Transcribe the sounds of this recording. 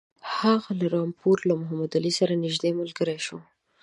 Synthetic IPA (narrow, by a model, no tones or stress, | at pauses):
haɣalaɾɑmpuɾlamʊɦamad̪alisaɾanɪʒd̪emalɡəɾajʃo